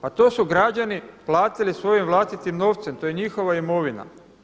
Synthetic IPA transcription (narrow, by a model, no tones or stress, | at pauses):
pat̪o̞ːsuɡɾad͡ʑaniplˠaːt̪ilisʋo̞jimʋlˠast̪it̪imno̞ːʋt̪se̞mt̪o̞je̞ɲixo̞ʋaimo̞ʋina̰